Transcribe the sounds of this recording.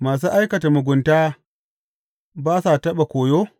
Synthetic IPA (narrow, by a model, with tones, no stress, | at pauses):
maː˨s̬uː˦ʔa˦jkɐ˨ta˨mʊ˨ɡʷʊ˨ntaː˦ | baː˦sa˨tɐ˦ɓa˨kʷoː˨joː˦